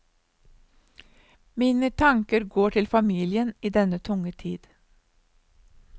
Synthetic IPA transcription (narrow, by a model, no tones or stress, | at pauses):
miːnət̪ʰɑŋkəɾɡoːʈʰɪlfɑmiːlɪəniːd̪ɛnət̪ʰʊŋət̪ʰiːd̪̥